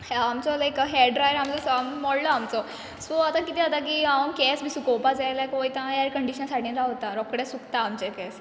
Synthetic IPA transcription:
amt͡sɔlajkɦeɖɖɾajəɾamt͡sɔsammɔɽlɔamt͡sɔ | sɔat̪ãkit̪iat̪akiãkɛsbʱisukɔpad͡zajlakʋojt̪ãɦaɾkəɳɖiɕənsaʈʰĩɾaɦot̪aɾɔkɽesukt̪aːmt͡ɕekɛs

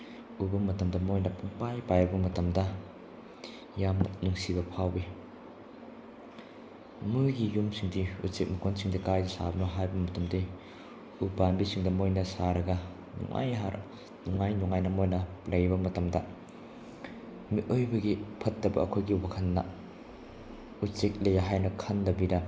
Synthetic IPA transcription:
ubɐmɐtɐmdɐmojnɐpʰuŋpajpajɐbɐmɐtɐmdɐ | jamnuŋsiβɐpʰawbi | muɡijumsiŋdiṵsik̚mɐkonsiŋdɐkajdɐsa̰bɐnoɦajbɐmɐtɐmdi | ubanbisiŋdɐmojnɐsaɾɐɡɐ | nṵŋʔa̰jɦa̰ɾ | nuŋajnuŋajnɐmojnɐlɐjbɐmɐtɐmdɐ | miʔojbɐɡipʰɐt̚dɐbɐ̰ːkʰojɡiwɐkʰɐnːɐ̰ | usek̚lɐjaɦajnɐkʰɐndɐbidɐ

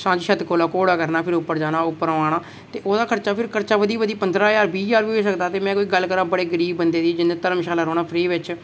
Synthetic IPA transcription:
sãːd͡ʒʃət̪koːlaːkoːɽaːkəɾnaːpʰɪɾʊpːəɾd͡ʒaːnaːʊpːəɾːaːɽ̃aː | t̪eːʔoːd̪aːkʰəɾt͡ʃaːpʰɪɾkʰəɾt͡ʃaːʋəd̪iːʋəd̪iːpənd̪ɾaːjaːɾbiːd͡ʒaːɾbiːeːsəkd̪aːt̪eːmɛ̃ːkoːiːɡəlkəɾãːbəɽeːɡəɾiːbːənd̪eːd̪iːd͡ʒɪnːẽːt̪əɾəmʃaːlaːɾoːnaːpʰɾiːʋɪt͡ʃ

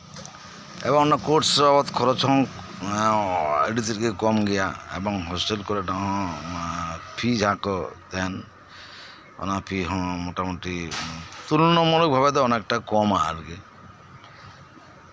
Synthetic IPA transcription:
ḛbɔŋnakoʈsabɔt̪kʰɔɾɔt͡ʃɔ̃ | ḛɖit̪iɾkekɔmɡɛjaḛbɔŋɦɔsʈelkɔɾeʈaɦɔ̃ | pʰid͡ʒʱãkɔt̪ɛn | ɔ̰napʰiɦɔ̃moʈamoʈit̪ulnɔmɔluk̚bʱabɛd̪ɔɔnekʈakɔma̰ɾɡe

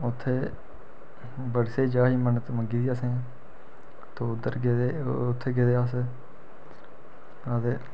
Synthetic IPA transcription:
ʊt̪ʰːeː | bəɽseːd͡ʒaːɦiːmənt̪məɡiːd̪iːasẽː | t̪oːʊd̪əɾɡeːd̪eːt̪ʰːeːɡed̪eːaːs | aːd̪eː

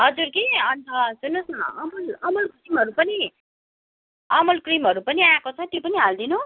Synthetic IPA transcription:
ɦʌd͡zuɾkiʌnt͡sʰʌsunosʌʌmʌlʌmʌlkrimɦʌɾupʌni | ʌmʌlkrimɦʌɾupʌniakot͡sʰʌt̪jopʌniɦald̪inu

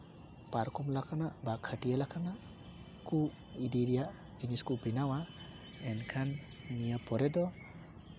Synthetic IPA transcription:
paɾkɔmlakʰanabakʰəʈijalakʰana | ku | id̪iɾija | d͡ʒiniskubinawa | ɛnkʰanː | ijapɔɾɛd̪ɔ

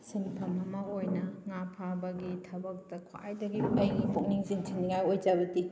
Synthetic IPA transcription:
simpʰɐmɐmɐojnɐŋapʰabɐɡitʰɐbɐk̚tɐkʰa̰jdɐɡiɐjɡipʰoŋniŋziŋtʰinːiŋajojd͡ʒaβɐdi

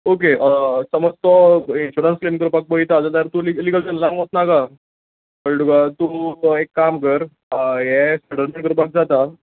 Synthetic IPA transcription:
ok̬eʔsəməd͡zt̪ɔinɕuɾənsklemkəɾupak̚bəit̪ad͡z̪at̪əɾt̪uliliɡəltənlãŋɡot̪naka | bəlɖuɡat̪uekːamkəɾ | ɦɛsəɽəɾmeɳʈkəɾupak̚d͡zat̪a

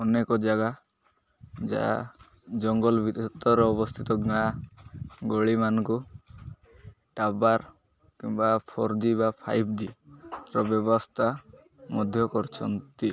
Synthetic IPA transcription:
ɔnekɔd͡ʒaɡa | d͡ʒa̰ | d͡ʒɔŋɡɔlbʱit̪t̪ɔɾɔɔbɔst̪ʰit̪ɔɡna | ɡoɭimanɔŋku | ʈabaɾ | kiŋbapʰɔɾd̪ibapʰa̰jpʰd̪iɾɔbjɔbɔst̪ʰa | mɔd̪ʱjɔkɔɾt͡ʃʰɔnt̪i

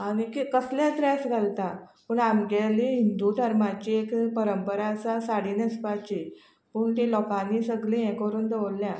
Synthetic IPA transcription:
anikikəsljat̪ɾɛsɡʱalt̪apəːɳamɡɛliɦind̪ud̪ʱəɾmat͡ɕiekpəɾəmpəɾasasaɽiːnəspat͡ɕi | puːɳt̪elɔkãnːiːsəɡlẽɛ̃kʋəɾuːnd̪eʋlːja

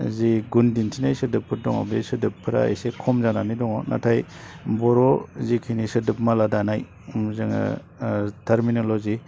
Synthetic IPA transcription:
ziɡundintʰinajsɯdɯpʰːɯɾdɔŋɔ̰besɯdɯpʰːɯɾa̰ḛsekʰɔmzananidɔŋɔnʔa̰tʰaj | bɔɾɔzikʰinisɯdɯp̚maladanaj | mzɯŋa̰ | tʰaɾminolozi

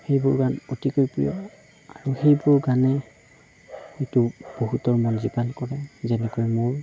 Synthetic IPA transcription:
xejbʊɹɡanotikojpɹḭjɔ | aɹuxejbʊɹɡanɛ | itʊb̥oɦutɔɹmɔnzipalkɔɹɛzɛnɛkojɛmʊɹ

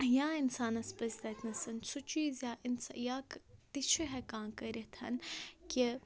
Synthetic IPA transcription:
jãːinsaːnɐspɐzʲd̪ɐt̪ʰnɐsɐnt͡sʰut͡ʃiːzjaːʔinsjaːkt̪it͡ʃʰiɦɛkaːnkəɾʲit̪ʰɐ̰nki

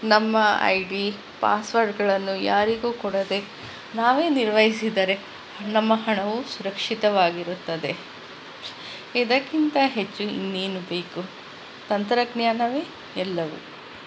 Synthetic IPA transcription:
nɐmːɐɐ̰jɖi | pa̰ːsʋɐɾɖɡɐɭɐnːuja̰ːɾiɡuːkɔɽɐd̪e̞ | naːʋe̞ːniɾʋɐjisid̪ɐɾe̞ | nɐmːɐɦɐɳɐʋusuɾɐkʂit̪ɐʋaːɡiɾut̪ːɐd̪e̞ | id̪ɐkːint̪ɐɦet͡ʃːuḭnːiːnube̞ːku | t̪ɐnt̪ɾɐɡɳjaːnɐʋeː | ɛlːɐʋṵ

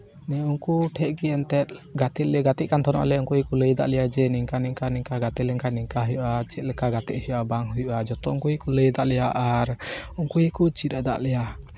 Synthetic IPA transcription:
nɛuŋkuʈʰɛʔ̚ɡiɛnt̪ɛt̪̚ɡat̪ɛt̪̚lɛɡat̪ɛʔ̚kant̪ʰɔnɔ̰ʔlɛuŋkujikuləjd̪a̰ʔlɛjad͡ʒɛniŋkaniŋkaniŋkaɡat̪ɛlɛŋkaniŋkaɦujuʔat͡ʃɛt̪̚lɛkaɡat̪ɛʔ̪hujʔabaŋɦujuʔad͡ʒɔt̪ɔuŋkujikuləjd̪aʔlɛjaʔaɾuŋkujikut͡ʃit̪̚ɛd̪a̰ʔlɛja

